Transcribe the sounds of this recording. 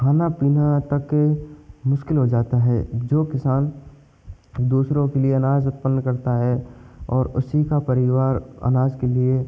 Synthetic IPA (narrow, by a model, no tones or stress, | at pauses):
kʰaːnapiːnat̪ɐkː | mʊʃkɪlɦod͡ʒaːt̪aɦɛ̰d͡ʒoːkɪsaːn | d̪uːsɾõkelieɐnaːd͡ʒʊt̪̚pənːkɐɾt̪aɦɛɔːɾʊsikapɐɾɪʋaːɾɐ̰naːd͡ʒkelie